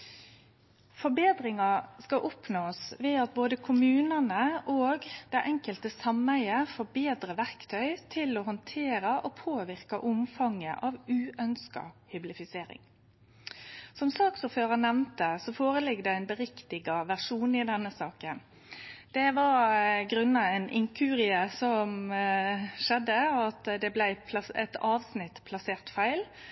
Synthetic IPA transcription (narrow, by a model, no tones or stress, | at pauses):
fɔɾbeːd̪ɾɪŋɑskɑʔɔpnoːsʋɛːɑt̪̚boːd̪əkʰʊmʉːnənəoːɡd̪æɪʔɛŋkəlt̪əsɑmæɪəfɔːbeːd̪ɾəʋæɾkt̪ʰœʏt̪ʰɪlɔhɔnt̪ʰeːɾɑʔɔpʰoːʋɪɾkɑʔʊmfɑŋːə̰ʔɑʋʉːʔœnskɑ̰hʏblɪfɪseːɾɪ̰ŋ | sɔmsɑːksɔføːɾɑnɛʋnt̪əsɔfoːɾəlɪɡːd̪ɛæɪnbəɾɪkt̪ɪɡɑʋæʁʂuːnɪd̪ɛnːəsɑːkən | d̪̥ɛʋɑɾɡɾʉnːɑɛɪnɪŋkʰʉːɾɪəsɔm | ʃɛd̪ːəɑt̪d̪ɛblæɪpʰlɑɛt̪ʰɑːʋsnɪt̪pʰlɑseːʁt̪fæɪl